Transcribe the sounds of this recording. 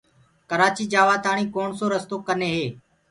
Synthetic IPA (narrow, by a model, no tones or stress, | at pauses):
kəɾaːt͡ʃiːd͡ʒaːʋaːt̪aːɳ̃ĩːkoːɳsoːɾəst̪oːkəneːɦeː